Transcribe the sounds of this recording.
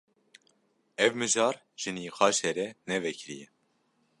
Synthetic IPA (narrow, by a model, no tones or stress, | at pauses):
ɛvmɨʒɑːɾ | ʒ̥ɨnixɑːʃɛɾɛnɛvɛkʰɾḭjɛ